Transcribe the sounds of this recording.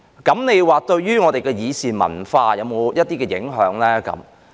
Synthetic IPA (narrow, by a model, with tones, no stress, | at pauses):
kɐ˨˥mne˨˧jwaː˨˧t̪ɵ˧ɥjyː˥ŋɔ˨˧t̪e˨jkɛː˧jiː˨˧siː˨mɐ̰˨˩nfaː˧jɐ˨˧wmo˨˧wjɐ˥t̚t̪iː˥kɛː˧jɪ̰˨˥ŋɦœː˨˥ŋlɛː˥kɐ̰˨˥m